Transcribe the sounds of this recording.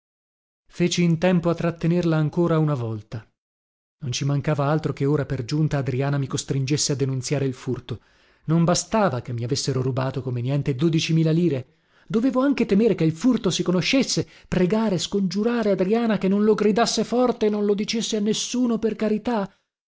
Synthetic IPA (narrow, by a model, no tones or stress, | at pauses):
feːt͡ʃiːnt̪ɛmpoat̪ːɾat̪ːenerlaːŋkoːɾaunavɔlt̪a | nont͡ʃimaŋkaːvaalt̪ɾokeoːɾaperd͡ʒunt̪aːd̪ɾiaːnamikost̪ɾind͡ʒesːead̪ːenunsjaːɾeilfurt̪o | nombast̪aːvakemːiavesːeɾoɾubaːt̪okomenjɛnt̪ed̪oːd̪it͡ʃimiːlaliːɾe | d̪oveːvoaŋket̪emeːɾekeilfurt̪osikonoʃːesːe | pɾeɡaːɾeskond͡ʒuɾaːɾead̪ɾiaːnakenːõnloɡɾid̪asːefɔrt̪eːnːõnlod̪it͡ʃesːeanːesːuːnoperkaɾit̪a